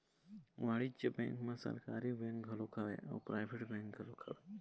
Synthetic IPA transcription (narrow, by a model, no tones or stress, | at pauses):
ʋaɭid͡ʒəbɛ̃ŋkmãsə̰ɾkaɾibɛ̃ŋk̚ɡʱɐlokʰaʋḛʔa̰upɾajʋʱeʈbɛ̃ŋkɡʱɐlokʰaʋe